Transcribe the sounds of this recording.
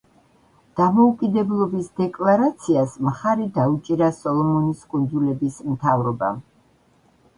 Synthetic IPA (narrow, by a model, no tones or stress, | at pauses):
d̪̥amɔukʼid̪ɛblˠɔbisd̪ɛkʼlˠaɾat̪sʰiasmχaɾid̪aut͡ʃʼiɾasɔlˠɔmɔniskʼund̪zulɛbismt̪ʰavɾɔba̰